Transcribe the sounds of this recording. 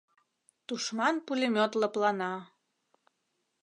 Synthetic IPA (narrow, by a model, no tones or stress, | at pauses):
t̪uʃmɑnpulʲimʲot̪lɤplɑnɑ